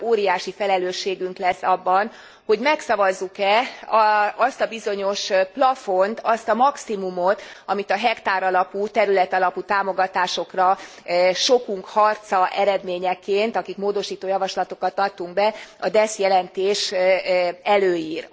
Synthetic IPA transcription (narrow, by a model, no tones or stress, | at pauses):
oːɾijaːʃifɛlɛløːʃːeːɡyŋklɛsːɒbːɒn | ho̞ɟmɛksɒvɒzːukɛ | ɒst̪ɒbizo̞ɲo̞ʃplɒfo̞nt̪ɒst̪ɒmɒksimumo̞t̪ɒmit̪ɒɦɛkt̪aːɾɒlɒput̪ɛɾylɛt̪ɒlɒput̪aːmoɡɒt̪aːʃo̞krɒ | ʃo̞kuŋkhɒrt̪sɒʔɛɾɛd̪meːɲɛkːeːnt̪ɒkikmoːd̪o̞ʃiːt̪oːjɒvɒʃlɒt̪o̞kɒt̪ɒt̪ːuŋɡbɛɒd̪ɛsjɛlɛnt̪eːʃ | ɛløːjiːr